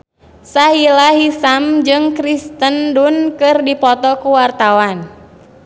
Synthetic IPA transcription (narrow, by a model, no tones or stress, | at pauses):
saɦilaɦisamd͡ʒɨŋkɾist̪əndunkɨrdipɔt̪ɔkuwart̪awan